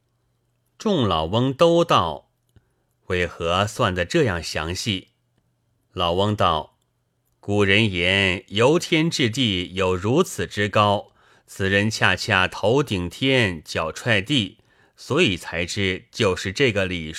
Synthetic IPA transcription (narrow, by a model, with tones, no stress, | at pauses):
ʈ͡ʂʊ˥˩ŋlɑ˨˩ʊwɤ˥ŋt̪o˥ʊt̪ɑ˥˩ʊ | we˧˩ɪxɤ˧˥swa˥˩nd̪ə˩ʈ͡ʂɤ˥˧jɑ˥˩ŋɕjɑ̰˧˥ŋɕi˥˩ | lɑ˨˩ʊwɤ˥ŋt̪ɑ˥˩ʊ | ku˨˩ɻə˧˥njɛ˧˥njo˧˥ʊt̪ʰjɛ˥nʈ͡ʂɻ̩˥˧t̪̬i˥˩jo˨˩ʊɻu˧˥t͡sʰɹ̩˨˩ʈ͡ʂɻ̩˥kɑ˥ʊ | t͡sʰɹ̩˨˩ɻə˧˥nt͡ɕʰja˥˧t͡ɕʰja˥˩t̪ʰo˧˥ʊt̪i˨˩ŋt̪ʰjɛ˥nt͡ɕjɑ˨˩ʊʈ͡ʂʰwa˥˧ɪt̪i˥˩ | swɔ˧˥i˨˩t͡sʰa˧˥ɪʈ͡ʂɻ̩˥˩t͡ɕjo˥˧ʊʂɻ̩˥˧ʈ͡ʂɤ˥˩ɡə˩li˨˩